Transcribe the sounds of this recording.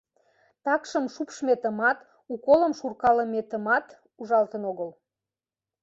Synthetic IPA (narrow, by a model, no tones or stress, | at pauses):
t̪ɑkʃəmʃupʃmet̪əmɑt̪ | ukolə̆mʃurkɑləmet̪əmɑt̪ | uʒɑlt̪ənoɣəl